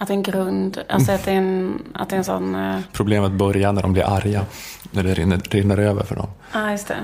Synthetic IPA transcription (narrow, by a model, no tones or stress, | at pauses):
at̪d̪ɛɛnɡɾɵnd̪ʔa̰lsɔat̪d̪ɛɛna̰t̪̚d̪ɛɛnsɔnːpʰɾʊbleːmət̪̚bœɾjanæɖɔmblɪ̰ɾʔaɾjanæɖɛɾɪɾɪnːəɾøːvə̰ɾfœ̰ɖɔ̰m | ɑːjɵst̪ʰɛ̰